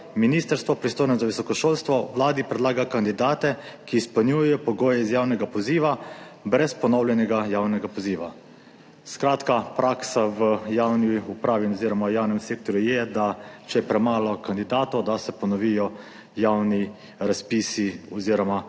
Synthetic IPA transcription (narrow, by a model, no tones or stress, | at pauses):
miniːst̪əɾst̪ʋɔpɾist̪oːjnɔzaʋisɔkɔʃoːlst̪ʋɔʋlaːd̪ipɾɛd̪laːɡakand̪id̪aːt̪ɛkiːspəlnjuːjɛjɔpɔɡoːjɛizjawnɛɡapɔziːʋa | bɾɛspɔnɔwljɛnɛɡajawnɛɡapɔziːʋa | skɾaːt̪kapɾaːksaʋəjawniupɾaːʋinɔziɾɔmajaːwnɛmseːk̚t̪ɔɾjujɛd̪at͡ʃɛɛpɾɛmaːlɔkand̪id̪aːt̪ɔwd̪asɛpɔnɔʋijɔ | jawni | ɾaspisiɔziɾɔma